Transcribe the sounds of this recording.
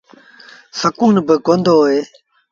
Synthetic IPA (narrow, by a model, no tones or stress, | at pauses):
səkuːnbəkond̪oːeː